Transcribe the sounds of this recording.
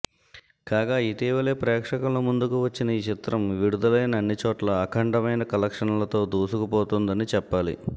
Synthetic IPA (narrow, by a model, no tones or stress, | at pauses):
kaːɡaːit̪iːʋɐle̞ːpɾɛːkʂɐkɐlomund̪ukuʋɐt͡ʃːinɐiːt͡ʃit̪ɾɐmʋiɽud̪ɐlɐjnɐːnːit͡ʃoːʈlɐːkʰɐɳʈɐmɐjnɐkɐlɐkʂɐnlɐt̪o̞ːd̪uːsukupoːt̪und̪ɐnit͡ʃɛpːaːlḭ